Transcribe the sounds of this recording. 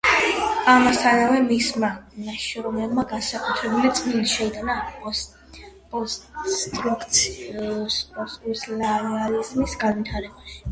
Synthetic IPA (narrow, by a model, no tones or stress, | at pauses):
amasaɾavɛmismanaʃɔɾɔmɛbmaɡansakʼut̪ʰɾɛbulit̪sʼniliʃɛid̪anaqʼɔs | pʼɔt̪ʰʼɔkʰt̪sʰ | spʼɔsʼuslaalizmisɡanvit̪ʰaɾɛbaʃi̥